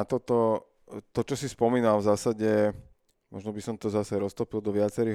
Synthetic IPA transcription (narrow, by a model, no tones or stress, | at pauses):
t̪ɔt̪ɔ | t̪ɔt͡ʃɔsispɔmiːnalvzaːsaɟɛ | mɔʒnɔbisɔmt̪ɔzasɛɾɔst̪ɔpild̪ɔʋɪat͡sɛɾiː